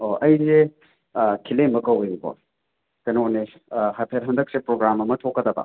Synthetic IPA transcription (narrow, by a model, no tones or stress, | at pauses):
oʔɐjze | kʰilemɐkɐwojuko̰ | kɐjnowne | hapʰeɾɦɐndɐk̚sepɾoɡɾamɐmɐtʰokːɐdɐbɐ̰